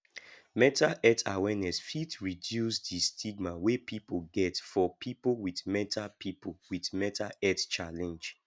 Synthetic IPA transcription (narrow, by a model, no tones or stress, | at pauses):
mɛtʰaʔɛtʰawɛnɛsfitɹidjusdistʰiɡ̚mawepʰipoɡɛtfɔpʰipolwiθmɛtapʰipʰowiθmɛtʰaɛtt͡ʃalɛ̃nd͡ʒ